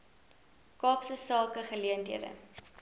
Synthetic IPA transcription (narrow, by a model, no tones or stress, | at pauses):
kɑːpsəsɑːkəχəliəntiədə̰